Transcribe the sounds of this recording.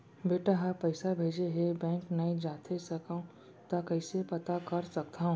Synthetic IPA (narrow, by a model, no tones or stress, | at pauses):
beːʈaɦapɐɪsabʱeːd͡ʒeɦebɛ̃ːŋknɐĩd͡ʒaːt̪ʰesɐkaũ | t̪akɐɪsepɐt̪akɐɾsɐk̚t̪aũː